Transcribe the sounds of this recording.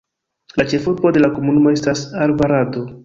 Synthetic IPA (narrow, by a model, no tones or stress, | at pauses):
lat͡ʃe̞fuɾbo̞de̞lakomunumo̞e̞stasaɾvaɾado